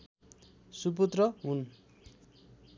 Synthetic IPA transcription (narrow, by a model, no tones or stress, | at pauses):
sup̬ut̪rʌɦun